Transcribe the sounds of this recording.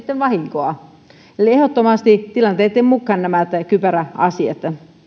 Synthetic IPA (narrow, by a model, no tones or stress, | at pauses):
t̪ːenʋɑhiŋkoɑ | eliehot̪ːomɑst̪it̪ilɑnt̪eːˑt̪ːemmukːɑnnæmæt̪kypæræɑ̰siɑ̰t̪